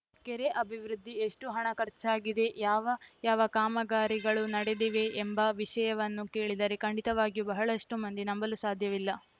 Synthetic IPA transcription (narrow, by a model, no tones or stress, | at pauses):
keɾe̞ʔɐbʱiʋɾud̪ʱːieʂʈuɦɐɳɐkɐɾt͡ʃaːɡid̪e̞jaːʋɐjaːʋɐkaːmɐɡaːɾiɡɐɭunɐɽed̪iʋe̞ʔːmbɐʋiʂɐjɐʋɐnːuke̞ːɭid̪ɐɾe̞kɐɳɖit̪ɐʋaːɡijubɐɦɐɭɐʂʈumɐnd̪inɐmbɐlusaːd̪ʱjɐʋilːɐ